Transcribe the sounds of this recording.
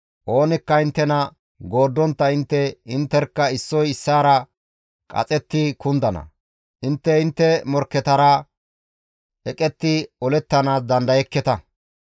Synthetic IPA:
ʔo̞ːnɪkːɐɪnt̪ːɛnɐ | ɡo̞ːd̪ːɔnt̪ːɐɪnt̪ːɛɪnt̪ːɛɾkːɐɪsːɔjɪsːaːɾɐ | kʼɐ̰t͡sʼɛt̪ːɪkʊnd̪ɐnɐ̰ | ʔɪnt̪ːɛɪnt̪ːɛmɔɾkːɛt̪ɐɾɐ | ɛkʼɛt̪ːɪɔlɛt̪ːɐnaːsd̪ɐnd̪ɐjɛkːɛt̪ɐ

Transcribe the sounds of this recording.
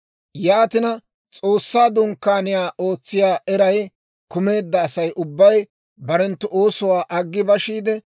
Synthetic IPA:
jaːt̪ɪnɐ | t͡sʼoːsːaːd̪ʊŋkːaːnɪjaːʔo̞ːt͡sːɪjaːʔɛɾɐj | kʊme̞ːd̪ːɐːsɐjʔʊbːɐj | bɐɾɛnt̪ːʊʔo̞ːsɔwaːʔɐɡːɪbɐʃiːd̪ɛ

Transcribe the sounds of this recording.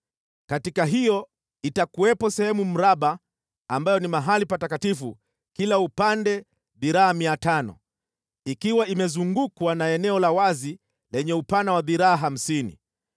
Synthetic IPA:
katikaɦijɔ | itakuwɛpɔsɛhɛmum̩ɾaɓaː | mbajɔnimaɦalipatakatifṵ | kilaupandɛ | ðiɾaːmiatanɔ̰ | ikiwaimɛzuŋɡukwanaɛnɛɔlawazi | lɛɲɛupanawaðiɾaːɦam̩sinḭ

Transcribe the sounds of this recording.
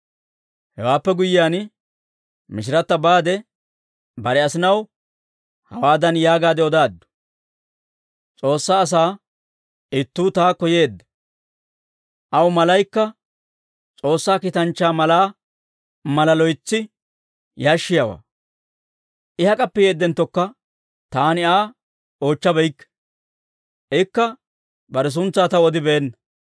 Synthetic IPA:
hɛwaːpːɛɡʊjɪːjaːn | mɪʃ̬ɪɾɐt̪ːɐbaːd̪ɛ | bɐɾɛɐsɪnɐw | hɐwaːd̪ɐnjaːɡaːd̪ɛɔd̪aːd̪ːʊ̥ | t͡sʼo̞ːsːaːs̬aː | ɪt̪ːuːt̪aːkɔje̞ːd̪ːɛ | ʔɐwmɐlɐjkːɐ | t͡sʼo̞ːsːaːkɪt̪ɐnt͡ʃːaːmɐlaː | mɐlɐlɔjt͡sːɪ | jaːʃːɪjawa̰ː | ʔɪhɐkʼɐpːɪjeːd̪ːɛnt̪ːɔkːɐ | t̪aːnɪaː | o̞ːt͡ʃːɐbɛjkːɛ̥ | ʔɪkːɐ | bɐɾɛs̬ʊnt͡sːaːt̪ɐɔd̪ɪbeːnːɐ

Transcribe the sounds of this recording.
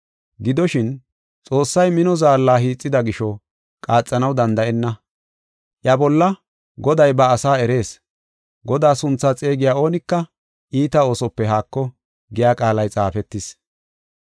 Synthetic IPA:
ɡɪd̪ɔʃɪn | t͡sʼo̞ːsːɐjmɪnɔzaːlːaːɦiːt͡sʼːɪd̪ɐɡɪʃɔ | kʼaːt͡sʼːɐnɐwd̪ɐnd̪ɐʔɛnːɐ | ʔjɐbɔlːɐ | ɡɔd̪ɐjbɐːsaːɛɾe̞ːs | ɡɔd̪aːsʊnt͡sːaːt͡sʼe̞ːɡɪjaːo̞ːnɪkːɐ | ʔiːt̪ɐo̞ːsɔpːɛɦaːkːɔ | ɡɪjaːkʼaːlɐjt͡sʼaːfɛt̪ːɪs

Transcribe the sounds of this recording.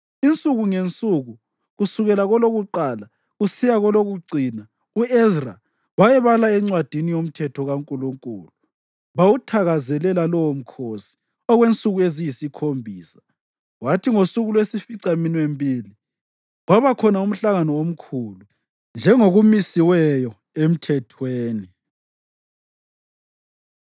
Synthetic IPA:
int͡sʼuɣuŋent͡sʼuɣu | ɣusuɣɛlaɣɔloɣuǃaːla | ɣusijaɣɔloɣuǀiːna | uɛzra̰ | wajɛβalaɛŋ͡ǀwad̥ʱinijom̩tʰɛtʰɔɣaŋkʼuluŋkʼṵːlu | βawutʰaɣazɛlɛlalɔwom̩kʰosi̥ | ɔɣwent͡sʼuɣuezijisikʰombʱiːsḁ | watʰiŋosuɣulwesifiǀaminwembʱiːli | waβakʰɔnaum̩ɬaɣanɔom̩kʰulu | nd͡ʒʱɛŋoɣumisiwɛjɔ | em̩tʰɛtʰweːni

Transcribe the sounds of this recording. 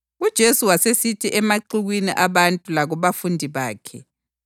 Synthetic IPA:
ud̥ʒ̥ʱesuwasesitʰiʔɛmaǃiɣwinḭʔaβantʼulaɣɔβafundʱiβaːkʰɛ

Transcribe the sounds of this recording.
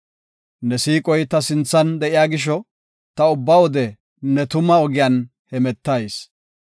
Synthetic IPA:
nɛsiːkʼɔjt̪ɐsɪnt͡sːɐnd̪ɛʔɪjaːɡɪʃ̬ɔ | t̪ɐʊbːɐwɔd̪ɛ | nɛt̪ʊmɐɔɡɪjan | hɛmɛt̪ːɐjs

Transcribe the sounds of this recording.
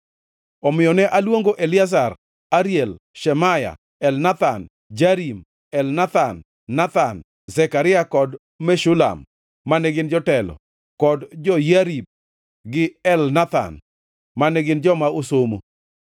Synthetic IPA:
ɔmɪjɔnɛʔalwoŋɡoʔelɪazar | aɾjɛl | ʃɛmaja̰ | ɛlnat̪an | d͡ʒaɾim | ɛlnat̪an | nat̪an | zɛkaɾɪjakɔd | mɛʃʊla̰mː | anɛɡɪnd͡ʒɔtɛlɔ̰ | kɔdd͡ʒɔjaɾib̚ | ɡɪɛlnat̪a̰n | manɛɡɪnd͡ʒɔmaosomo

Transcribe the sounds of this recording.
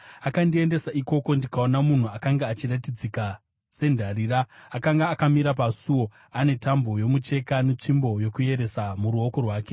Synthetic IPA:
akandie̞nde̞saiko̞ko̞ndikaonamun̤uakaŋɡaːt͡ʃiratid͡zika | se̞ndʱariːraːkaŋɡaːkamiɾapasuwo̞ | ane̞tambo̞jo̞mut͡ʃe̞kane̞t͡ʂimbo̞jokuje̞ɾe̞samuɾuo̞ko̞rwaːke̞̥

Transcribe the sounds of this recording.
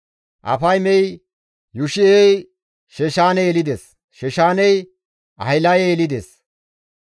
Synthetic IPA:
ʔɐ̰fɐjmɛj | jʊʃɪej | ʃɛʃaːnɛjɛlɪd̪es | ʃɛʃaːnɛj | ʔɐ̰ɪlɐjɛjɛlɪd̪es

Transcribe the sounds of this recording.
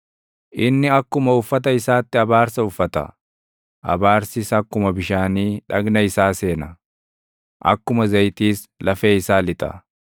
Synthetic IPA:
ʔɪnːɪɐkːʊmɐʊfːɐt̪̬ɐɪsaːt̪ːɪɐbaːɾsɐʊfːɐt̪ɐ̰ | ʔɐ̰baːɾsɪsɐkːʊmɐbɪʃaːniːᶑɐɡnɐɪsaːse̞ːnɐ | ʔɐ̰kːʊmɐzɐjt̪iːs | lɐfeːɪsaːlɪt̪ʼɐ̰

